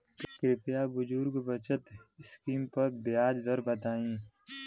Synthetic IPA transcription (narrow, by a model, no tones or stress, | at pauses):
kɾɪpjabʊd͡ʒuːɾɡbət͡ʃət̪ɪskiːmpɐɾbɪjaːd͡ʒd̪əɾbət̪aːĩː